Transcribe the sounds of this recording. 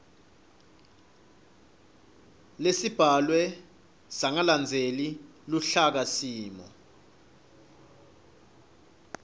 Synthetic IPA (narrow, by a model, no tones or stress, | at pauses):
lesib̥ʱalwɛ | saŋaland͡zʱeli | luɬak̬asiːmɔ̰